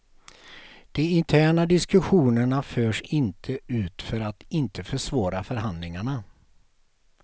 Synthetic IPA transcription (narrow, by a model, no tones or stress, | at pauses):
d̪̥ɛɪnt̪ʰæːɳad̪ɪskɵɧuːnəɳaføːʂɪnt̪ʰəʉ̟ːt̪fœɾat̪ɪnt̪ʰəfœʂvɑːɾafœɾɦand̪lɪŋaɳa